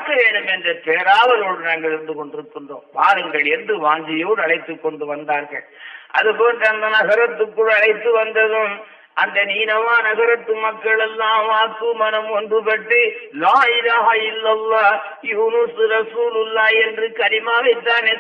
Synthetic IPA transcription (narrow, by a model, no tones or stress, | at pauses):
kːɐʋeːɳɯmɛndrɐp̪eːɾaːʋɐloːɽɯnaːŋɡɐɭɪɾɯnd̪ɯkɔɳɖɪɾɯkːɯndro̰ːpaːɾɐŋɡɐɭɛnd̪ɯʋaːŋɡɪjoːɽɐɭɐɪt̪ːɯkːɔɳɖɯʋɐnd̪aːɾɣɐ̰ɭɐ̰ðɯpoːndrɐɐnd̪ɐnɐɣɐɾɐt̪ːɯkːuɽɐɽɐɪt̪ːɯʋɐnd̪ɐðɯ̃ | ɐnd̪ɐniːnɐʋaːnɐɣɐɾɐt̪ːɯmɐkːɐɭɛlːãːʋaːkːɯmɐnɐmʋɐnd̪ɯpɐʈːɯlaːɪlaːɦɐɪlːɐlːaː | juːnusɯɾɐsuːlɯlːaːɛndrɯkɐɾɪmaːʋɛt̪ːaːneː